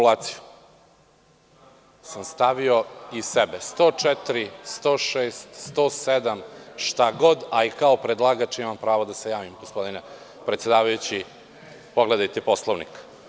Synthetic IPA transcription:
laːt̪si̥ju | samst̪aʋio̞isebest̪ot͡ʃɛt̪ɾist̪oːʃeːst̪st̪oːsed̪amʃt̪aɡo̞d̪aikaopɾed̪lˠaɡat͡ʃimampɾaːʋod̪ase̞jaːʋimɡospo̞d̪ine | pɾet̪sjed̪aːʋajut͡ɕi | poɡled̪ajt̪eposlˠoʋnik

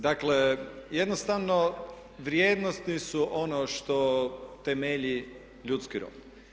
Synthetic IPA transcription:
d̪aklejed̪nost̪aʋno | ʋɾjeːd̪nost̪nisuʔonoʃt̪ot̪emeʎi | ʎut̪skiɾo̰d̪

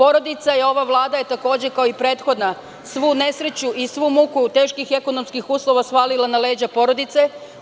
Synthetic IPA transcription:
po̞ɾo̞d̪it̪saio̞ʋaʋlˠaːd̪aje̞t̪ako̞ːd͡ʑekaoipɾe̞ːt̪xo̞d̪na | sʋuːne̞sɾe̞t͡ɕuʔisʋuːmukut̪e̞ːʃkixe̞ko̞no̞mskixuːslo̞ʋasʋaːlilˠanale̞ːd͡ʑapo̞ɾo̞d̪it̪se̞

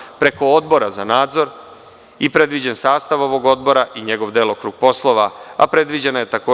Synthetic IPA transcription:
pɾe̞ko̞od̪bo̞ɾazanaːd̪zo̞ɾ | ipɾe̞d̪ʋid͡ʑe̞nsaːst̪aʋo̞ʋo̞ɡo̞d̪̚bo̞ɾaʔiɲe̞ɡo̞ʋd̪eːlˠokɾuɡ̥̚po̞slˠo̞ʋaa̰pɾe̞d̪ʋid͡ʑe̞najet̪akoː

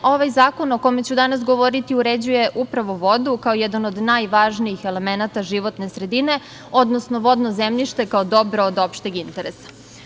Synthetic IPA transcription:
o̞ʋajzaːko̞nokome̞t͡ɕud̪anasɡo̞ʋoɾit̪iuɾed͡ʑuje̞ʔupɾaʋo̞ʋo̞d̪ukaojɛd̪ano̞d̪najʋaːʒniixe̞le̞me̞nat̪aʒiʋo̞t̪nesɾe̞d̪ine̞ | od̪nosnoʋo̞d̪nozemʎʲiʃt̪e̞kaod̪o̞bɾood̪o̞pʃt̪eɡint̪eɾesḁ

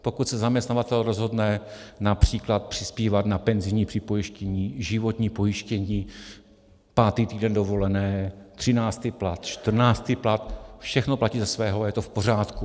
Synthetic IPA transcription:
po̞kut̪sɛzamɲɛst̪navat̪ɛlɾo̞zɦo̞dnɛ | napr̝̥iːklat̪̚pr̥ɪ̥spiːvat̪napɛnzɪjɲiːpr̥ɪpo̞jɪʃcɛɲiːʒɪvo̞t̪ɲiːpo̞jɪʃcɛɲiː | paːt̪iːt̪iːdɛndo̞vo̞lɛnɛːt̪r̝̥ɪnaːt͡st̪iplat̪ʃt̪r̩naːst̪iplat̪fʃɛxno̞placiːzasvɛːɦoajɛt̪ofpo̞raːt̪ku

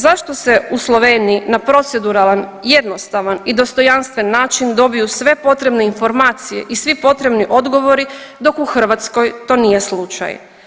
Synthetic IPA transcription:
zaʃt̪o̞se̞uslˠo̞ʋe̞ːniinapɾo̞t̪sed̪uɾalˠanjed̪no̞st̪aʋanid̪o̞st̪o̞janst̪ʋe̞nːaːt͡ʃind̪o̞bijusʋe̞po̞t̪ɾe̞bne̞info̞ɾmaːt̪sije̞̰ʔisʋipo̞t̪ɾe̞bniʔo̞d̪ɡo̞ʋo̞ɾid̪o̞kuxr̩ʋat̪sko̞jt̪o̞ːnije̞slˠut͡ʃa̰j

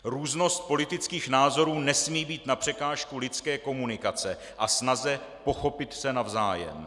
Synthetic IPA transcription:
ɾuːzno̞st̪̚po̞lɪt̪ɪt͡skiːxnaːzo̞ɾuːnɛsmiːbiːt̪napr̝̥ɛkaːʃkulɪt͡skɛːko̞munɪkat͡sɛ | ʔasnazɛ | po̞xo̞pɪt̪sɛnavza̰ːjɛ̰m

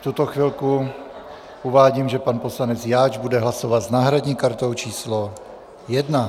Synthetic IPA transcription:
ft̪ut̪oxviːlku | ʔuvaːɟiːmʒɛpanpo̞slanɛt͡sjaːd͡ʒbudɛɦlasovat̪znaːɦɾaɟɲiːkaɾt̪owt͡ʃiːslo | jɛdna

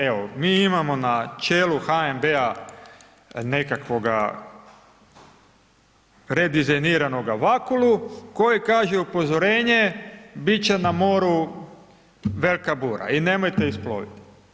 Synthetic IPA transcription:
eʋomiːimamo̞nat͡ʃe̞ːluxaembea | ne̞kakʋo̞ɡa̰ | ɾe̞d̪izajniɾano̞ɡaʋakuluko̞jekaːʒeupo̞zoɾe̞ːɲebit͡ɕe̞namo̞ɾu | ʋelkabuːɾa̰ine̞mo̞jt̪eisplo̰ʋḭt̪i̥

